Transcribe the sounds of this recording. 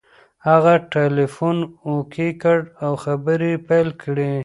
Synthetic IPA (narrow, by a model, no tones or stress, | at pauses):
haɣaʈelefunokekəɽawxabəɾepajlkɽe